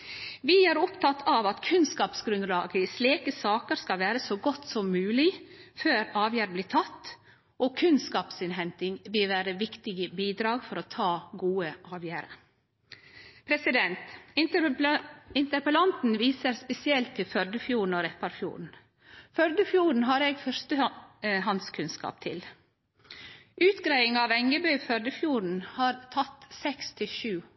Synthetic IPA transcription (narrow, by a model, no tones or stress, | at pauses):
ʋɪæɾʊpt̪ʰɑt̪ʰɑʋɑt̪kʰʉnskɑːpsɡɾʉnd̪lɑːɡəɪsleːkəsɑːkəɾskɑlʋæːɾəsoːɡɔt̪ːsɔmːʉːlɪføːɾɑːʋjæːɾəblɪːt̪ʰɑt̪ː | ʔɔkʰʉnskɑːpsɪnɦɛnt̪ɪŋʋɪlʋæːɾəʋɪkt̪ɪɡəbiːd̪ɾɑːɡfɔɾɔt̪ʰɑːɡuːəʔɑːʋjæːɾə̰ | pʰɾɛsɪd̪ɛnt̪ | ɪnt̪əɾpəlɑnt̪n̩ʋiːsəɾspɛsɪɛlt̪ʰːɪlfœɾɖ̪əfjuːɳ̩ɔɾɛpɑɾfjṵːɾɳ̩ | fœɾd̪əfjuːɾɳ̩ɦɑːɾɛɡfœɾstəɦɑnskʰʉnskɑ̰ːp̚t̪ʰɪ̰l | ʉːt̪ɡɾæɪɪŋɑːʋɛŋɡəbœʏfœɾɖ̪əfjuːɾɳ̩hɑːɾt̪ʰɑt̪ːsɛkst̪ʰɪlʃʉː